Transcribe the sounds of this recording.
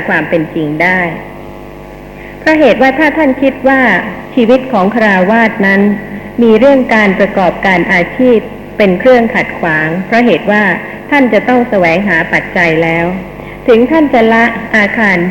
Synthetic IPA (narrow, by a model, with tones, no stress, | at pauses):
kʰwaː˧mpe˧nt͡ɕi˧ŋdaː˥˩j | pʰɾɔ˦˥ɦeː˨˩t̪̚waː˥˩t̪ʰaː˥˩t̪ʰa˥˩nkʰi˦˥t̪̚waː˥˩t͡ɕʰiː˧wi˦˥t̪̚kʰɔː˩˦ŋkʰa˧ɾaː˧waː˥˩t̪̚na˦˥n | miː˧ɾɯ˥˩əŋkaː˧npɾa˧kɔː˨˩p̚kaː˧nʔaː˧t͡ɕʰiː˥˩p̚ː | e˧nkʰɾɯ˥˩əŋkʰa˨˩t̪̚kʰwaː˩˦ŋpʰɾɔ˦˥ɦeː˨˩t̪̚waː˥˩ | t̪ʰa˥˩nt͡ɕa˨˩t̪ɔ˥˩ŋsa˧wɛː˩˦ŋɦaː˩˦pa˨˩t̪̚t͡ɕa˧jlɛː˦˥w | t̪ʰɯ˩˦ŋt̪ʰa˥˩nt͡ɕa˨˩la˦˥ʔaː˧kʰaː˧n